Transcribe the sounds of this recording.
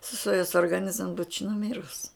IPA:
sʊˈstoːjʊs oːrɡɐˈnʲɪzm buːt͡ʃ nʊˈmʲɪrʊs

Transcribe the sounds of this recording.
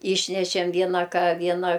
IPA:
ˈiːʃʲnʲɛʃʲɛm ˈʋʲiɛnɐ ˈkɐ ˈʋʲiɛnɐ

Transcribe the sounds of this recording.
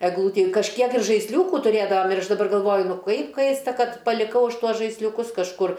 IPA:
ɛɡˈlˠuːtʲɪ kɐʃʲˈkʲiɛk ɪr ʒɐɪsʲˈlʲuːkʊ tʊˈrʲeːdɐʋɐm ɪr ˈɐʃ dɐˈbɐr ɡɐlˠˈʋoːjʊ ˈnʊ ˈkɐɪp ˈkɐɪstɐ ˈkɐt pɐlʲɪˈkɐʊ ˈɐʃ ˈtuɔs ʒɐɪsʲlʲʊˈkʊs kɐʃˈkʊr

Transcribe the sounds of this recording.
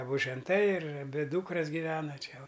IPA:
ɐˈbʊ ʒʲɛnˈtɐɪ ɪr ɐˈbʲɪ ˈduːkrɐs ɡʲɪˈʋʲæːnɐ ˈt͡ʃʲɛ oː

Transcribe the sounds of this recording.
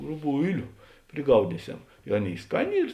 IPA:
rʊˈbʊɪlʲʊ pʲrʲɪˈɡɐʊdʲiːsʲɛʊ ɪ ˈɑːˌnʲeːɪ ˈskɑːˌnʲeː ˈiːr

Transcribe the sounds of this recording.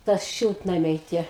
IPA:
ˈtɐs ˈʃʲɪlˠtnɐmʲɛɪ ˈtʲiɛ

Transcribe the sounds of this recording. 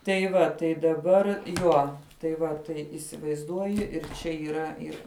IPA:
tɐɪ ˈʋɐ tɐɪ dɐˈbɐr ˈjuɔ tɐɪ ˈʋɐ tɐɪ iːsʲɪʋɐɪzˈduɔjɪ ɪr ˈt͡ʃʲɛ iːˈrɐ ˈɪr

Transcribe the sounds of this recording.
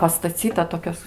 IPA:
pɐstɐˈt͡sʲiːtɐ ˈtoːkʲoːs

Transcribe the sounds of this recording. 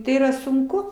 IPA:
ˈtɐɪ iːˈrɐ sʊŋˈkʊ

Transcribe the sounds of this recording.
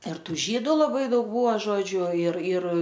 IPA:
ɪr ˈtuː ˈʒʲiːdʊ lˠɐˈbɐɪ ˈdɐʊk ˈbuːʋɐ ˈʒoːd͡ʒʲʊ ɪr ɪr

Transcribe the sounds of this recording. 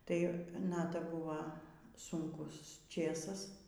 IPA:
ˈtɐɪ ˈnɑːtɐ ˈbʊʋɐ sʊŋˈkʊs ˈt͡ʃʲeːsɐs

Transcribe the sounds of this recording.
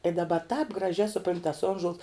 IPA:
ɪ dɐˈbɐ tɑːp ɡrɐˈʒʲæː sʊˈproːnʲtʲ tɐs ˈoːnʒoːlˠs

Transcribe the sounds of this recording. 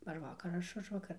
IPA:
ɐr ˈʋɑːkɐr ɐr ˈɐʃ ˈʊʒʋɐkɐr

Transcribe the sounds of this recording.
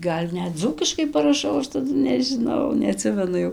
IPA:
ˈɡɐlʲ ˈnʲɛt ˈd͡zuːkʲɪʃkɐɪ pɐrɐˈʃɐʊ ˈɐʃ tɐˈdʊ nʲɛʒʲɪˈnɐʊ nʲɛɐˈtʲsʲɪmʲɛnʊ ˈjɛʊ

